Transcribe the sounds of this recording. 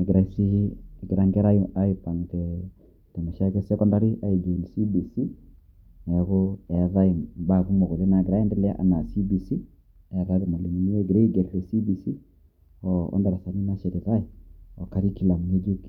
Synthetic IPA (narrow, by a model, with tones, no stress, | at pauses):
e˨ɡɛ˨ɾa˨i˦si˦˨ɡe˨ɾa˨˦ŋɡɛ˦ɾa˦a˦i˨pa˨ŋ˨tɛ˨ | tɛ˨ma˨ʃa˦kɛ˦sɛ˦kɔ˦nda˦ɾi˦ʔa˦e˨d͡ʒo˨ni˨si˦bi˨si˦ | na˨ɣo˦ɛ˨a˨ða˦i˨ba˨ɣu˦mo˨ɣo˨le˦na˨ɡeɾa˦ɛ˦ndɛ˦lɛ˦a̰˦ʔa̰˦na˨si˦bi˨si˦ | a˨ɾa˦ðɛ˨ma˨li˨mi˨ni˦ɛ˦ɡe˨ɾe˦i˦ɡɛ˨ɾlɛ˨si˦bi˨si˦ | ɔ˨ɔ̰˦nda˨ɾa˨sa˨ni˦na˦ʃɛ˨ɾi˨ta˦i˨ɔ˨ka˨ɾi˦ki˦la˨mu˨e˦d͡ʒu˦k